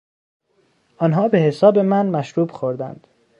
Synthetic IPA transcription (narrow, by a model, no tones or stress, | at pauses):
ʔɒːnɦɒːbe̞hesɒːbe̞mænmæʃɾuːbxoɾd̪æ̰nd̪̥